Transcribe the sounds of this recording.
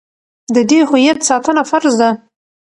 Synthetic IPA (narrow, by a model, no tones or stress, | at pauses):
d̪əd̪ehujat̪sɑt̪ənafaɾzd̪a